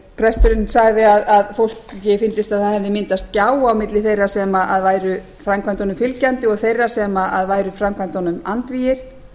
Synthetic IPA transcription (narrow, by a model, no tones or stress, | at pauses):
pʰɾɛst̪ʏɾɪnsaɣðɪaðaðfowl̥kcːɪfɪnt̪ɪst̪aðθaðhɛvðɪmɪnt̪ast̪caːwawmɪt̪lɪθejrasɛmaʔaðvaːjɾʏ | fɾamkʰvant̪ɔnʏmfɪlcant̪ɪɔɣθejrasɛmaaðvaːjɾʏfɾamkʰvant̪ɔnʏmant̪vijɪɾ̥